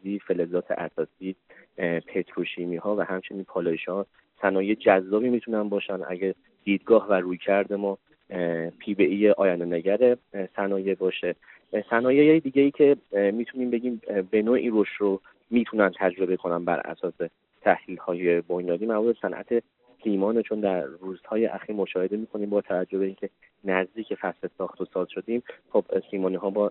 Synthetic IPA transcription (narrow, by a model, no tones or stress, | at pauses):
iːfe̞lezɒːt̪ʰḛʔæsɒːsiː | pʰet̪ʰɾoʃiːmiːhɒːvæhæmt͡ʃʰe̞niːnpʰɒːloeʃɒː | sænɒːjejd͡ʒæzːɒːbiːmiːt̪ʰunænbɒːʃænʔæ̰ɟe | d̪̥iːd̪ɡɒːhvæɾuːjcʰæɾd̪e̞mɒː | pʰiːbe̞ʔijeʔɒːjænd̪eneɟæɾe̞sænɒːje̞bɒːʃe | sænɒːjejejed̪iːɟeiːcʰe̞miːt̪ʰuniːmbe̞ɟiːmbe̞noːʔiːɾoʃt̪ɾo | miːt̪ʰunænt̪ʰæd͡ʒɾo̞be̞kʰo̞nænbæ̰ɾʔæ̰sɒːse̞ | t̪ʰæhliːlhɒːje̞bo̞njɒːd̪iːmæmuɾbesænʔæ̰t̪ʰe̞ | siːmɒːnet͡ʃʰo̞nd̪æɾːuːz̥hɒːje̞ʔæxiːɾmo̞ʃɒːhe̞d̪e̞miːkʰo̞niːmbɒːt̪ʰævæd͡ʒːohbe̞iːncʰe̞ | næzd̪iːcʰe̞fæslesɒːxt̪ʰosɒːz̥ʃo̞d̪iːmχob̥siːmɒːniɦɒːbɒː